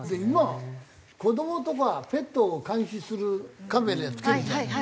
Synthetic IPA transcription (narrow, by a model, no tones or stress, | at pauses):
d̪eima | ko̞d̪o̞mot̪okaape̞t̪ːoːkãɰ̃ɕisɨɾɯkameɾajat͡sɨ̥keɾt̪e